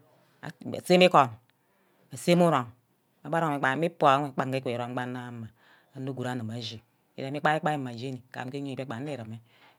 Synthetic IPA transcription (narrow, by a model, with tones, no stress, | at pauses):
a̰˨a̰˨se˦mi˦ko˨n | a˨se˦mu˦ɾo˨ŋ | a˨˦ba˦ɾo˦˨a˨˦mi˦po˨˦k͡pa˨ŋɡe˦ke˨ɾo˨m˦ɡ͡ba˦nːa˦ma˨ | a˨no˦ɡu˨ɾa˦na˨ma˨ʒi˨ | ḭ˨ɾa˨˦i˦k͡pa˦i˦k͡pa˦i˦ma˨d͡ʒe˦ni˨ka̰˨m˦ke˦ɲe˦i˨be˦k͡pa˨n˦i˦˨ɾa˨me˦